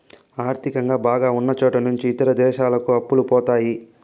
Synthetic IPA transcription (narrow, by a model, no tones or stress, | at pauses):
aːɾt̪ʰikɐŋɡaːbaːɡaːunːɐt͡ʃoːʈɐnuɲt͡ʃiːt̪ɐɾɐd̪ɛːʃaːlɐkuɐpːulupɔːt̪aːji